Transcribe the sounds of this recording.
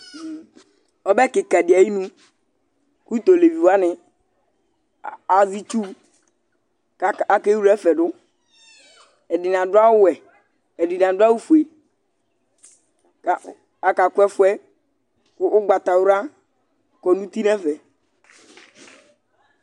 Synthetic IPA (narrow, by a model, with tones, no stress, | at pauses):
ɔ˦bɛ˦kɪ˨ka˨dɪ˨a˨ji˦nũ˦ | ku˦t̪o˨le˨vi˨wa˦nɪ˨ | a˨zi˦t͡ʃu˦ | a˨a˨ke˦wu˦ɾɛ˦fɛ˨dʊ˦ | ɛ˨dɪ˨n˨ã˨dʊ˦a˦wʊ˦wɛ˨ | ɛ˨dɪ˨n˨ã˨da˦wu˦fu˨e˨ | ka˨ | a˨ka˨kʊ˦ɛ˦fʊ˦ɛ˦ | kːɡ͡ba˨t̪a˨wʊ˦ɾa˦ | kɔ˨nũ˦t̪i˦nɛ˦fɛ˨